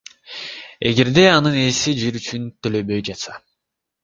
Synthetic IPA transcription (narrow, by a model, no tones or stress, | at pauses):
e̞̰ɡe̞ɾd̪e̞ɑnɯnesid͡ʒiɾyt͡ʃynt̪ølø̞bø̞jd͡ʒɑt̪sɑ